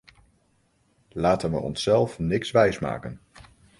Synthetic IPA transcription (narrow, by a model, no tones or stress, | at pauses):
laːtənʋə̰ɔ̰nsɛlˠfnɪksʋɛjsma̰ːkən